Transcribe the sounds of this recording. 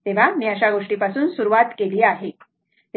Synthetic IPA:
t̪eʋ̤amiːəɕaɡoʂʈiːpasuːnsuɾuʋat̪keliːaɦe | t̪e

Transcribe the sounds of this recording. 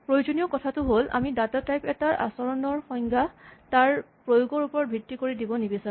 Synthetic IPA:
pɹojozonijɔkɔtʰatʊɦolʔa̰midatatajpɛtaʔa̰sɔɹɔnɔɹxɔjŋɡataɹ | pɹojoɡɔɹupɔɹɔt̚bʱitːikoɹidibɔnibisa

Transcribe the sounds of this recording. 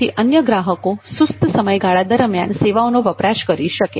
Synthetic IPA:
iʔənjəɡɾaɦəkosust̪əsəməjɡaɭad̪əɾmja̰nseʋawnoʋəpɾaʃkəɾiʃəkḛ

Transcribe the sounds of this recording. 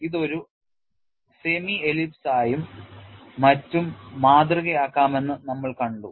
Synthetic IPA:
iðo̞ɾu | se̞mielipsaːjumː | ɐtːumːaːd̪rɐɣɐjaːkːaːme̞nːɨnɐmːɐɭkɐɳɖu

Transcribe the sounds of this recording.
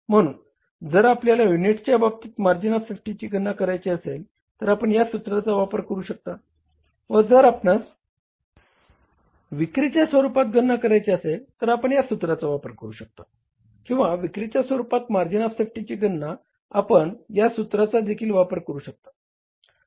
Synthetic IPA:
m̤əɽ̃ṵːn | d͡zəɾapljalajuniʈt͡ɕjabab̚t̪iːt̪maɾd͡ʑinafsefʈit͡ɕiːɡənːakəɾajt͡ɕiəsel | t̪əɾapəɳjasut̪ɾat͡saʋapəɾkəɾuːɕək̚t̪a | ʋəd͡zəɾapnat͡s | ʋikɾit͡ɕjasʋəɾupat̪ɡʱənːakəɾajt͡ɕeəselt̪əɾapəɳjasut̪ɾat͡saʋapəɾkəɾuːɕək̚t̪a | kĩw̃ʋaʋikɾit͡ɕjasʋəɾupat̪maɾd͡ʑinafsefʈit͡ɕiːɡʱənːa | apəɳjasut̪ɾat͡sad̪ekʰiːlʋapəɾkəɾuːɕək̚t̪ḁ

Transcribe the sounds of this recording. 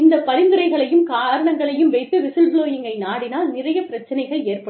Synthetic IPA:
ɪnd̪ɐpːɐɾɪnd̪ɯɾɐɪɣɐɭɐjɯmkaːɾɐɳɐŋɡɐɭɐjɯmʋɛɪt̪ːɯʋɪsɯlbloːjɪŋɡɐɪnaːɽɪnaːlnɪrɐjɐpɪɾɐt͡ʃːɐnɐɪɣɐɭeːrpɐɽ

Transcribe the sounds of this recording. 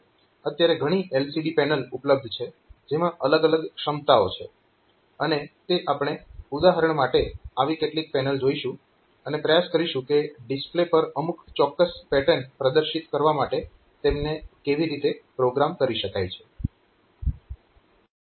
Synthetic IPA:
ət̪jaɾeɡʱəɽ̃iʔelsiɖipɛnəlupləb̚d̪ʱt͡ʃʰe | d͡ʒemãʔələɡələɡʃəmt̪aot͡ʃʰe | ənet̪eʔapɽ̃eud̪aɦəɾəɳmaʈeaʋikeʈlik̚pɛnəld͡ʒoiʃũ | ənepɾəjaskəɾiʃũkeɖisplepəɾəmukʰt͡ʃɔkːəspɛʈənpɾəd̪əɾʃit̪kəɾʋamaʈe | t̪emnekeʋiɾit̪epɾoɡɾamkəɾiʃəkajt͡ʃʰe̥

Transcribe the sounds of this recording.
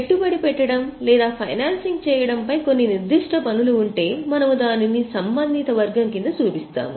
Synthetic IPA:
eʈːubɐɽipɛʈːɐɽɐmlɛːd̪aːpʰɐjnaːnsiŋɡ̚t͡ʃɛːjɐɽɐmpɐjko̞nːiniɾd̪iʂʈʰɐpɐnuluuɳʈe̞ːmɐnɐmud̪aːninisɐmbɐnd̪ʱit̪ɐʋɐɾɡɐmkind̪ɐt͡ʃuːpist̪a̰ːmu

